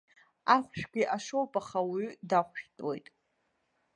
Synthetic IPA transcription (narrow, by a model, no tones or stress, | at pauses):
aχʷʃᶣɡʲʷiʔaʂowpʼaχawidaχʷʃtʼwojtʼ